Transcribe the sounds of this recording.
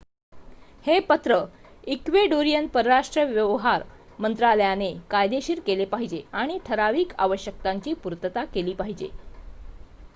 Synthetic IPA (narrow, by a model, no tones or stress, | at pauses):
hepət̪ɾəikʋeɖoɾijənpəɾɾaʂʈɾəʋjəʋɦaɾ | mənt̪ɾaləjanekajd̪eɕiːɾkelepaɦid͡ʑeaɽ̃iʈʰəɾaʋiːka̰ʋəɕjək̚t̪aɲt͡ɕiːpuɾt̪ət̪akeliːpaɦid͡ʑḛ